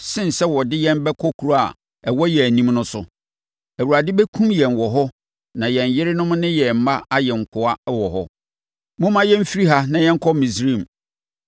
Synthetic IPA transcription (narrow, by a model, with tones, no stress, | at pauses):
sɪ̃˦n˨sɛ˦wɔ˨dɪ˦jɛ̃˦mbɛ˦kʰɔ˦kʰu˨˦ɾa˨ | ɛ˨wɔ˦jɛ˨æ˨nĩ˦mnʊ̃˦sʊ˨ | æ˨wu˨ɾa˨dɪ˦bɛ˦kʰũ˦mjɛ̃˨nwɔ˨ɦɔ˦ | nã˨jɛ̃˨ɲ˨jɪ˦ɾɪ˦nʊ̃˦m̃˦nɪ̃˦jɛ˨m̩˨˦ma˦a˦jɛ˨ŋ̩˨kʰʊ˨a˦wɔ˨ɦɔ˦ | mʊ̃˦mã˦jɛ̃˦m̩˦fi˦ɾi˦ɦa˦nã˨jɛ̃˦ŋ̩˦kʰɔ˦mĩ˨s̬ɾĩ˦˨m